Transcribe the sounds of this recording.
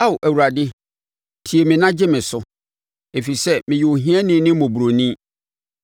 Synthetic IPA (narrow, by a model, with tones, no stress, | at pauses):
a˦wʔæ˨wu˨ɾa˨dɪ˦ | tʰi˨e˨mɪ̃˨nã˦d͡ʑɪ˦mɪ̃˨sʊ˦ | e˨fi˨sɛ˦mɪ̃˨jɪ˨o˨ɦĩ˦ɛ˦nɪ̃˦nɪ̃˦mɔ̃˨bu˨ɾo˨nĩ˦